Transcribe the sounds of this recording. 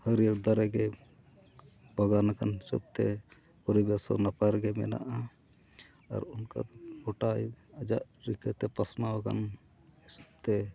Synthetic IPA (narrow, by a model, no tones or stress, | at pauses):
həɾiəɾd̪aɾɛɡɛ | baɡanakansṵp̪̚t̪ɛ | pɔɾibɛsɔ̰napaɾɡɛmɛ̰na̰ʔa | a̰ɾunka̰d̪ɔbɔʈajad͡ʒaʔɾikət̪ɛpasmawaka̰n | sup̚t̪ɛ